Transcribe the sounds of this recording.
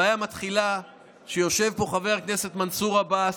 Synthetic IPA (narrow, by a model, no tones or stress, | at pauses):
ajamat̪χila | ʃejo̞ʃe̞vpo̞χave̞ʁkne̞se̞t̪mansuʁaba